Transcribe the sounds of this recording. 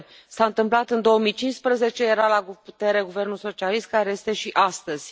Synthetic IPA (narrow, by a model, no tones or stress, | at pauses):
saɨnt̪ɨmplat̪ɨnd̪o̞əmijt͡ʃinspɾəze̞t͡ʃe̞je̞ɾalaɡput̪e̞ɾe̞ɡuve̞rnulso̞t͡ʃialist̪̚kaɾe̞je̞st̪e̞ʃiʔast̪əz̥ʲ